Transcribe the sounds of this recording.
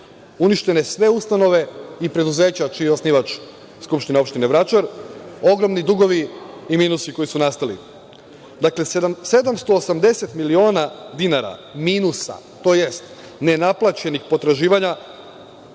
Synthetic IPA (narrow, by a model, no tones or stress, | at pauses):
uniʃt̪e̞ne̞sʋe̞ust̪ano̞ʋe̞ipɾe̞d̪uze̞ːt͡ɕat͡ʃijeo̞sniʋat͡ʃ | skupʃt̪ineo̞pʃt̪ineʋɾat͡ʃaɾo̞ɡɾo̞mnid̪uɡo̞ʋiimiːnusiko̞jisunast̪alḭ | d̪akle̞se̞d̪amst̪o̞ːsamd̪e̞se̞t̪milio̞ːnad̪inaɾa̰minusa̰ | t̪o̞ːje̞st̪ | ne̞naplˠat͡ɕe̞nixpo̞t̪ɾaʒiːʋaɲa